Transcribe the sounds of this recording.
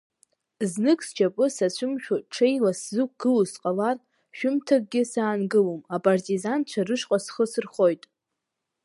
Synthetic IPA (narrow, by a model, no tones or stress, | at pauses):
znɨkʰʼst͡ʃʰapʼɨsat͡ɕʷʰʊmʃᶣaʈ͡ʂʰejlaszɨk̚ʷʰɡ̥ɨlusqʼalar | ʃᶣʊmtʰaɡ̚ɡʲɪsaːnɡɨlomapʼartʼizant͡ɕʷʰarɨʃqʷʼasχəsɨrχo̞jtʼ